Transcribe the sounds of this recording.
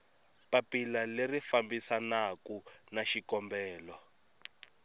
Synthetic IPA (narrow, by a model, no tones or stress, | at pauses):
papilalerifambisanakunaʃikɔmbɛːlɔ